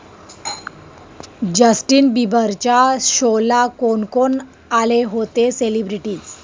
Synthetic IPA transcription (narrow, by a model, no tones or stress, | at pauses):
d͡ʑəsʈiːnbibəɾt͡ɕaɕolakoɳkon | aleɦot̪eselibɾiʈiːd͡z